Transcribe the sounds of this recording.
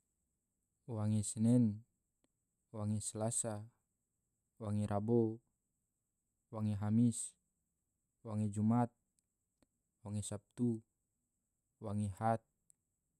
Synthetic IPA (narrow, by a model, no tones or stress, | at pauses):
waŋɛsɛnɛn | waŋɛslasa | waŋɛɾʔabo | waŋɛɦamis | waŋed͡ʒumat̪̚ | waŋɛsap̚t̪u | waŋɛhat̪̚